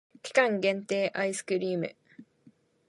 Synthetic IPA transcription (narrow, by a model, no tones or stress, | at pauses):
kʲi̥kãŋɡẽ̞nt̪e̞ːʔaisɨ̥kɯ̟ɾʲiːmɯ̰